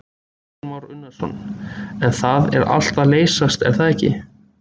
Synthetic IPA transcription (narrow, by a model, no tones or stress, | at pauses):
mawɾʏnːasɔ̰nːɛnθaðɛ̰ɾa̰l̥t̪aleːjsast̪ɛ̰ɾ̥θaðɛhcːɪ̰